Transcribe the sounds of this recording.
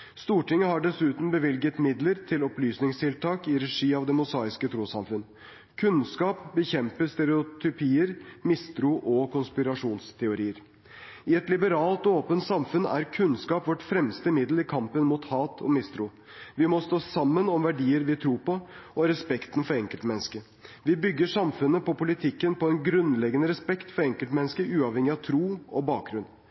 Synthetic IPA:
st̪uːʈɪŋːəɦɑɖɛsʉːt̪n̩bəʋɪlɡət̪mɪd̪ləɾt̪ʰɪlɔplyːsnɪŋst̪ʰɪlt̪ʰɑːkɪɾɛʂiːɑʋd̪ɛmʊsɑːɪskət̪ʰɾuːsɑmfʉn | kʰʉnskɑːpbəçɛmpəst̪ɛɾɛʊt̪ʰʏpʰiːəɾmɪst̪ɾuʔɔkʊnspɪɾɑʂuːnst̪ʰɛʊɾiːəɾ | ɪɛt̪lɪbəɾɑːlt̪ɔoːpənt̪sɑmfʉnæ̰ɾkʰʉnskɑːpʋɔʈfɾɛmst̪əmɪd̪l̩ɪkʰɑmpənmuːt̪hɑːt̪ʰɔ̰mɪst̪ɾʊ | ʋɪmɔst̪oːsɑmːənɔmʋæɖiːəɾʋɪt̪ʰɾuːɾpɔɔɾɛspɛkt̪ən̩fɔɾɛŋkəlt̪mɛnːskə | ʋɪbʏɡːəʂɑmfʉnːəpɔpʊlɪt̪ʰɪkːənpɔɛnɡɾʉnlɛɡənəɾɛspɛkt̪fɔɾɛŋkəlt̪mɛnːəskəʔʉːɑʋhɛŋɪɑʋt̪ʰɾuːɔbɑːk̚ɡɾʉn

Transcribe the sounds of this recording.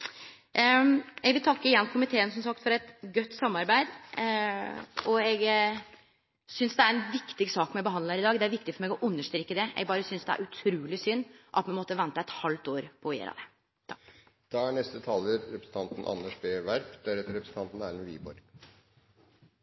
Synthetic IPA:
ɛɡʋɪlt̪ʰɑkːəɪjɛnːkʰʊmɪt̪ʰeːənsɔmsɑkt̪fɔɾɛt̪ɡœt̪ːsɑmːɑɾbæɪd̪ | ɔɛɡ | sʏnsd̪ɛæɾɛnʋɪkt̪ɪɡsɑːkmɛbəɦɑnləɾɪd̪ɑːɡd̪ɛæɾʋɪkt̪ɪfɔɾmeːɡɔʔʉnːəʂt̪ɾeːkːəd̪ɛʔɛ̰ɡ̚bɑːɾəsʏnsd̪ɛæ̰ɾʉt̪ʰɾuːlɪsʏnːʔɑ̰t̪mɛnmɔt̪ːəʋɛnt̪əɛt̪hɑlt̪oːɾpʰɔjḛːɾɑ̰d̪ɛ̰ | d̪̥ɑːæɳɛst̪ət̪ʰɑːləɾɾɛpɾsn̩t̪ʰɑnt̪n̩ʔɑ̰nəʂbeːʋæɾpd̪̥æɾɛt̪ɾɛpɾəsət̪ɑnt̪n̩æ̰ɾɛnʋḭːbɔ̰ɾɡ̥

